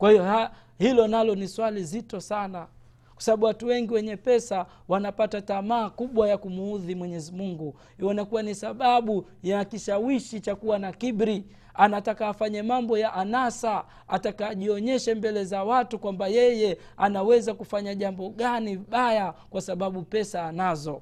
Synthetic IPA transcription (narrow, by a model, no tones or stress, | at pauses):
kwahijɔh | hilɔnalɔniswalizitɔsana | kwḁsaɓaɓuwatuwɛŋɡiwɛɲɛpɛsa | wanapatatamaːkuɓwajakumuuðimwɛɲɛzimuŋɡu | hiɔnakuwanisaɓaɓujakiʃawiʃit͡ʃakuwanakiɓɾi | anatakaːfaɲamambɔjaʔanasa | atakaːʄiɔɲɛʃɛmbɛlɛzawatukwambajɛjɛ | anawɛzakufaɲaʄambɔɠaniɓajakwasaɓaɓupɛsaːnazɔ